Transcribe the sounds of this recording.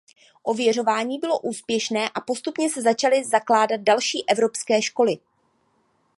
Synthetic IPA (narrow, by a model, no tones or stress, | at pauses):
ʔo̞vjɛr̝o̞vaːɲiːbɪlo̞ʔuːspjɛʃnɛːʔapo̞st̪upɲɛsɛzat͡ʃalɪzaklaːdat̪̚dalʃiːʔɛvɾo̞pskɛːʃko̞lɪ